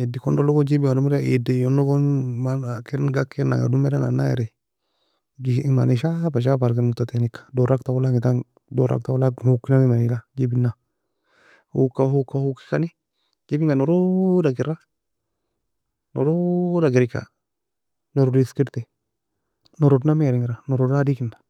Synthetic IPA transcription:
edikondoloɡod͡ʒibiɡadumuɾaḭdejonːoɡonmanakenɡakːena̰ŋa̰dumeɾana̰na̰jḛɾɛ | ɡiima̰niʃabaʃ̬abaɾkemut̪at̪enikːḁdoɾaktawulaŋitaŋ | doɾa̰k̚tawlahukːinamimailad͡ʒibinːa | hṵkahukahuki̥kani | ɡibiŋɡanoɾodaɡiɾa | noɾodaɡiɾika̰ | noɾodiskiɾt̪ɛ | noɾodnamːɾiŋiɾanoɾodadikindḁ

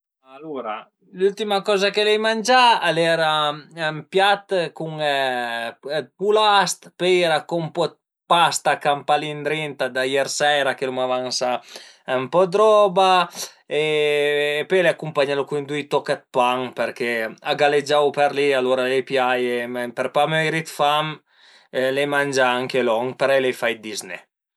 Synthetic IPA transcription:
aluɾa | lult̪imakɔːzakelɛjmand͡ʒalɛɾaɛmpjat̪kuŋ | pulast̪pɛjɛɾakɔmpɔt̪̚ | past̪akampalind̪ɾɛnt̪ad̪ajɛɾsɛːɾakelumavansa | ɛmpɔd̪ɾɔba | eː | pøjleakːumpaɲalukund̪ujt̪ɔkat̪̚paŋpɛɾkeaɡaled͡ʒawpɛɾlialoɾalepjajemɛpɛɾpamøjɾit̪fam | lemand͡ʒaaŋkelɔŋpeɾɛlejfajd̪iznḛ

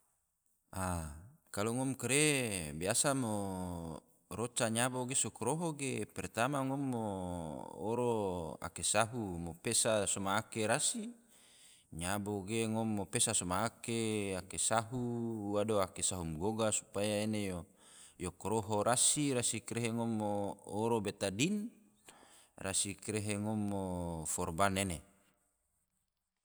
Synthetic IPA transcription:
ʔakaloŋɔmkɾebiasamo | ɾot͡ʃaɲaboɡesokoɾoɦoɡepɛrt̪amaŋomːo̰ː | ɾoa̰kesaɦumopesasomaːkeɾasi | ɲaboɡeŋomːopesasomaːkeakesaɦuadoakesaɦumɡoɡasu̥pajaenejo | jokoɾoɦoɾasiɾasikɾeɦeŋomːoːɾobet̪adin | rasikɾeɦeŋomːofɔrbanene

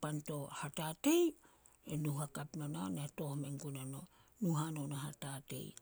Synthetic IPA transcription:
pantohatatej | enuhakapnonanatohmeŋkunano | nuɦanonaɦatatḛj

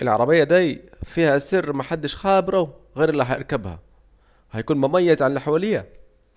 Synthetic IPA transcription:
ʔɪlʕɑɾˤɑbɪjːæd̪æfiːhæsɪrːmæħad̪ːɪʃxæːbɪɾˤɑwɣeːɾʔɪlːiːɦæʔɪɾˤkæbhæ̰ | hæjkuːnmʊmæjːæzʕanɪlħawæːlɪjːæ

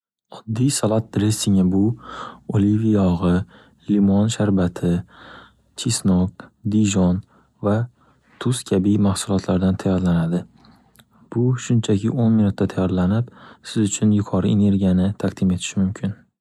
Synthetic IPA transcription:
ɒd̪ːijsalˠat̪̚d̪ɾesɪŋɪbʊolivijɒʁɨ | limɒnʃaɾbat̪ʰɪ | t͡ʃʰisnɒk̚d̪iʒɒn | va | t̪ʰʊskʲʰabimahsʊlˠɒt̪ʰlaɾd̪ant̪ʰajɒɾlanad̪ɪ | b̥ʊʃʊnt͡ʃʰakʰʲɪʔonminʊt̪ːat̪ʰajɒɾlanɪpsɪzʊt͡ʃʰʊnjʊkʰɒɾɪʔene̞ɾɡʲijanɪt̪ʰaqd̪̥ɪme̞t̪ʰɪ̥ʃɪmʊmkʲʰɪn

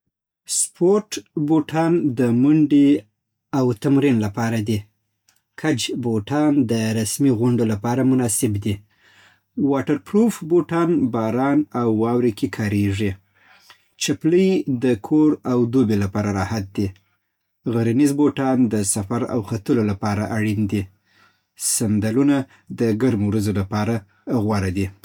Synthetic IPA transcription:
spoɾʈboʈʰɑnd̪əmʊɳɖe | awt̪amɾinlapɑɾad̪i | kʰad͡ʒboʈɑnd̪əɾasmiɣʊɳɖolapɑɾamʊnɑsɪbd̪i | wɑʈaɾpɾofboʈɑnbɑɾɑnawːɑwɾekekʰɑɾeʐi | t͡ʃapləjd̪əkʰoɾawd̪obelapɑɾaɾɑhat̪̚d̪i | ɣaɾinizboʈɑnd̪əsafaɾa̰wxat̪əlolapɑɾaʔaɽind̪i | sand̪aluna | d̪əɡaɾmowɾazolapɑɾa | ɣwɑɾad̪i

